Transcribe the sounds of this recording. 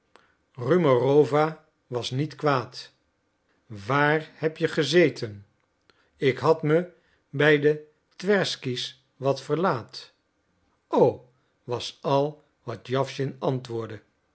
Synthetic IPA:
rymorowva | ʋɑsnitkʋaːt | ʋaːɹhɛpjəχəzejtʰən | ɪkɦɑtmə | bɛjdə | tʋɛɹskis | ʋɑtfəɹlaːt | ow | ʋɑsɑlˠ | ʋɑtjɑfʃɪnɑntʋʊːɹdə

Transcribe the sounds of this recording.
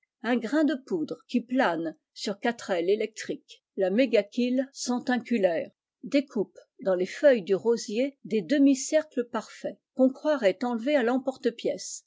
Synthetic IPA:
ɛ̃ɡʁɛ̃d̪əpud̪ʁəkʲiplan | syʁkat̪χɛlelɛk̚t̪χik | lameɡakʲilsɑ̃t̪ɛ̃kʲylɛːʁ | d̪ekʰup | d̪ɑ̃lefœjd̪yʁozjed̪ed̪əmisɛʁkləpaʁfɛkɔ̃kχwaʁɛt̪ɑ̃lvealɑ̃pɔʁt̪əpjɛs

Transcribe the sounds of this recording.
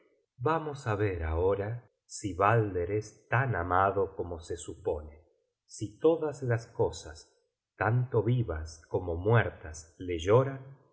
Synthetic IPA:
bamosaβeɾaoɾa | siβald̪eɾest̪anamaðokomosesupone | sit̪o̞ðaslasko̞sa̰s | t̪ant̪oβiβaskomomwɛɾt̪asleʒoɾan

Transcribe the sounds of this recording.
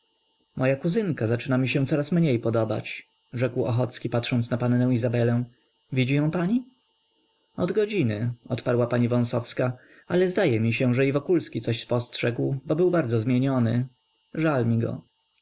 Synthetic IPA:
mʔɔjakuzɘŋkazat͡ʂɘnamʲiɕɛ̃t̪sɔɾasmɲejpɔd̪ɔba̰t͡ɕ | ʐɛkwɔ̰xɔt̪skʲipatʂɔnt̪snapanːɛ̃w̃izabɛlɛ̃w̃ | vʲid͡ʑijɔ̃w̃paɲi | ɔd̪ɡɔd͡ʑinɘɔt̪paɾwapaɲivɔ̃w̃sɔfska | alɛzd̪ajɛmʲiɕɛ̃ʐɛivɔkulskʲit̪sɔɕspɔstʂɛɡwbɔbɘwbaɾdzɔzmʲjeɲɔnɘ | ʐalmʲiɡɔ̰

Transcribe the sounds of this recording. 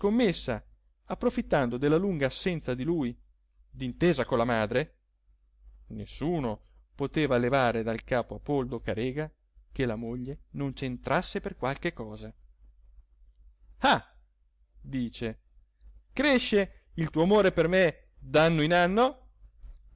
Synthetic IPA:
komːesːa̰ | apːɾofit̪ːand̪od̪elːaluŋɡaːsːɛnt̪sad̪iluːj | d̪int̪eːzakolːamaːd̪ɾe | nesːuːno | pot̪eːvalevaːɾed̪alkaːpoapold̪okaɾeːɡa | kelamoʎːenont͡ʃent̪ɾasːeperkwalk̟ekɔːza | a | d̪iːt͡ʃe | kɾeʃːe | ilt̪uːoamoːɾeperme | d̪anːoinanːo

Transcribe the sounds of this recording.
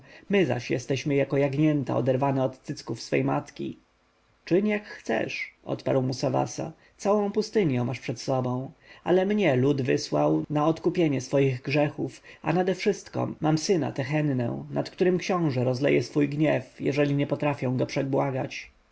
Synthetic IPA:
mɘza̰ɕjɛst̪ɛɕmɘjakɔjaɡɲɛnt̪a̰ɔ̰d̪ɛɾvanɛɔt̪t̪sɘt̪skufsfɛ̰jma̰t̪kʲḭ | t͡ʂɘɲjakxt̪sɛ̰ʂʔɔ̰t̪pa̰ɾwmusava̰sa̰ | t̪sawɔ̃w̃pust̪ɘɲjɛ̃maʂpʂɛt̪sɔbɔ̃w̃alɛmɲɛlud̪vɘswawnaɔt̪kupʲjeɲɛsfɔjiɣɡʐɛxufa̰nad̪ɛfʂɘst̪kɔ̰mamsɘna̰t̪ɛxɛnːɛ̰̃nat̪kt̪uɾɘmkɕɔ̃w̃ʐɛɾɔzlɛ̰jɛsfujɡɲɛfjɛ̰ʐɛlʲiɲɛpɔt̪ɾafʲjɔ̃w̃ɡɔpʂɛbwaɡat͡ɕ

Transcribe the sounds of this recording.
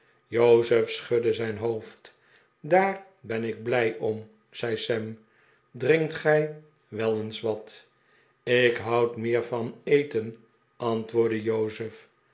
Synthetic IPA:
jowzəfsχødəzɛjnɦowft | daːr | bɛnɪɡ̚blɛjʔɔm | z̥ɛjsɛm | drɪŋktχɛj | ʋɛlˠənsʋɑt | ɪkɦɑwtmɪːɹvɑnejtən | ɑntʋʊːɹdəjowzəf

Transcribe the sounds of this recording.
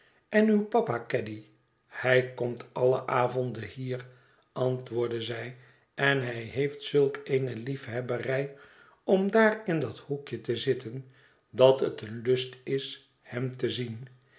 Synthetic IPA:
ɛnywpɑpakɛdi | hɛjkɔmtɑlə̰ʔaːvɔndəhiːr | ʔɑntʋʊːɹdəzɛj | ɛnɦɛjɦeɪjftsɵlˠkejnəlifɦɛbərɛj | ɔmdaːrɪndɑthukjətəzɪtən | dɑtətənlɵstɪs | hɛmtəzin

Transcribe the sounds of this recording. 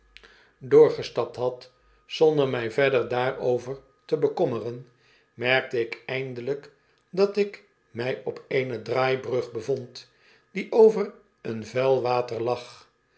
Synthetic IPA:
dʊːɹχəstɑp̚tɦɑt | sɔndəɹmɛjvɛdəɹdaːɹowvəɹ | təbəkɔmərən | mɛɹk̚təɪkɛjndələk | dɑtɪk | mɛjɔpʰejnədraːjbrɵχbəvɔnt | d̥iʔowvər | ənvɛlˠʋaːtəɹlɑχ

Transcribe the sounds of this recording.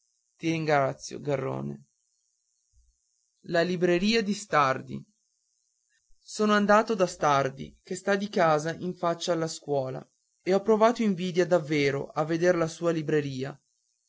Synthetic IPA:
t̪iɾiŋɡɾat̪sːjo̰ɡarːo̰ːnḛ | lalibɾeɾiːad̪ist̪ard̪ḭ | soːnoand̪aːt̪od̪ast̪ard̪ḭkest̪ad̪ikaːzaʔiɱfat͡ʃːaːlːaskwɔːla̰ | eɔpːɾovaːt̪oiɱviːd̪jad̪avːeːɾo̰ʔavːed̪eɾlasuːalibɾeɾiːa

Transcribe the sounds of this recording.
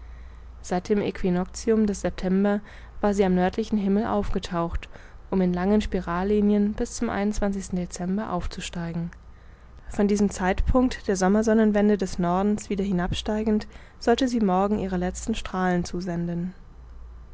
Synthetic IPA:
z̥aɪt̚d̥eːmʔḛkʰv̥inɔkt͡siʊmdɛsz̥ɛp̚tʰɛmbɐ | v̥aːɐziːamnœɐtʰlɪçn̩ɦɪml̩ʔa̰ʊfɡ̥ətʰaʊxtʔʊmɪnlaŋənʃpiʁaːlːiːnjənb̥ɪst͡sʊmʔa̰ɪnʊnt͡sv̥ant͡sɪçstn̩det͡sɛmbɐʔa̰ʊft͡suʃtaɪɡŋ̩ | fɔndiːzəmt͡saɪtpʰʊŋk̚td̥eːɐzɔmɐzɔnənvɛndədɛsnɔɐdn̩sv̥iːdɐhɪnapʃtaɪɡŋ̩t | z̥ɔltəziːmɔɐɡŋ̩ʔiːʁ̞əlɛt͡stn̩ʃtʁ̥aːlənt͡suːzɛndn

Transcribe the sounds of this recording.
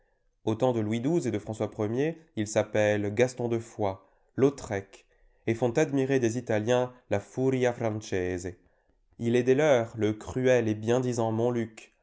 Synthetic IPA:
ot̪ɑ̃d̪əlwid̪uzed̪əfχɑ̃swapχəmjeilsapɛlɡast̪ɔ̃d̪əfwa | lot̪χɛk | efɔ̃t̪ad̪miʁed̪ezit̪aljɛ̃lafuʁjafʁɑ̃ʃɛze | ilɛd̪elœʁləkχyɛlebjɛ̃d̪izɑ̃mɔ̃lyk

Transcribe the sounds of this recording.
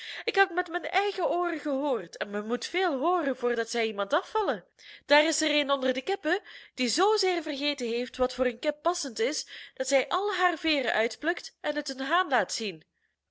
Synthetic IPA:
ɪkɦɛpmɛtmɛnɛjɣəʔoːrəɣəɦoːrtɛnmɛnmutfeːlˠɦoːrənvʊːrdɑtsɛjimɑntɑfɑlə | d̥aːrɪsəreːnɔndərdəkɪpəd̥izoːzeːrvərɣeːjtəɦejftʋɑtfʊːɾənkɪpːɑsəntɪsd̥ɑtsɛjʔɑlˠɦaːrveːrəʔœɥtplɵktɛnɦətənɦaːnlaːtsin

